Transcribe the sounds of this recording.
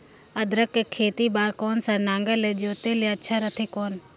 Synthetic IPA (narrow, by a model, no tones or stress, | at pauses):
əd̪ɾəkːekʰeːt̪iːbaːɾkoːnsãnãːŋɡəleːd͡ʒoːt̪eːleətːʃʰaːɾət̪ʰeːkoːn